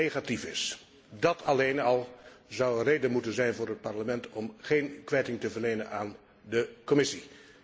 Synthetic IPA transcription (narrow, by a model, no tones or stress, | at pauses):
eχatifɪs | dɑtʰɑlejnɑlˠzʌwənrejdənmutənzɛjnvʊːɹɦət̚pɑɹləmɛntɔmχejnkʋɛjtɪŋtəvəɹlejnənaːn | dəkɔmɪsi